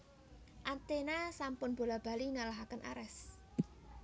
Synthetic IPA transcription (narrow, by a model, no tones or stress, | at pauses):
ʔant̪enasampʊnb̥o̤lab̥a̤liŋalaɦakənʔa̰ɾɛs